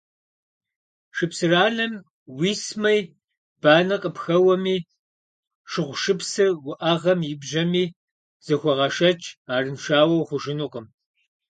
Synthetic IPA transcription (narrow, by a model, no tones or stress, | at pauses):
ʂɨpsɨraːnɐm | wiːsmɐj | b̥aːnɐqʼəpxɐwɐmiː | ʂɨʁʷʃɨpsɨrwʊʔɐʁɐmjɪbʒɐmiː | z̥ɐxʷɔʁɐʂɐt͡ʃʼʰaːrɨnʂaːwɐwχʷʊʒɪnuqʼəm